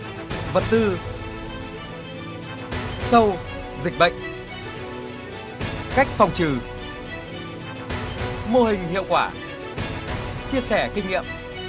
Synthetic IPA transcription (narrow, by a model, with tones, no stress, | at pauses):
və˨˩t̚t̪ɨ˧ | sə˧w | zï˨˩k̟̚ɓə̰˧˨jŋ̟ | ka˦˥jk̟̚fa˨˩wŋ͡mt͡ɕɨ˨˩ | mo˧hï˨˩ŋ̟hḭ˧˨əwkwaː˧˩ | t͡ɕi˧əsɛ˧˩kï˧ŋŋḭ˧˨əm